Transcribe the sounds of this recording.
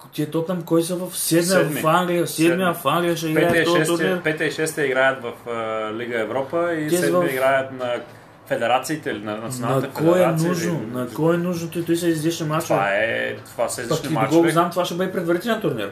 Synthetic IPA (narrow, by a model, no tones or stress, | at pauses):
t̪iɛt̪ot̪amkɔjs̬əvɐfsɛd̪mɛmfaŋɡlijɐsɛd̪miɐfaŋɡlʲijɐʃ̬ɛiɡɾajɐt̪ɔt̪uɾniɾpɛt̪ɛiʃɛst̪ɛiɡɾajət̪vɐfəliɡəɛvɾɔpəiiɛvɐiɡɾajət̪nɐ | fɛd̪ɛɾat̪siːt̪ɛlinɐnɐjnaɐkkɔjɛnuʒnonɐkɔɛnuʒnot̪t̪uisəizliʃnimatt͡ʃa̰ɛ̰t̪ovasɐizlpɐiknidaɡɔɡoznamt̪ovaʃɛbəd̪ɛpɾɛd̪vɐɾit̪ɛlɛnt̪uɾniɾ